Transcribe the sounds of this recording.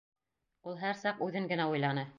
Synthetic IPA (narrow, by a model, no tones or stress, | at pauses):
ulˠɦæɾsɑqʉðɘŋɡɘ̆næujlˠɑnɤ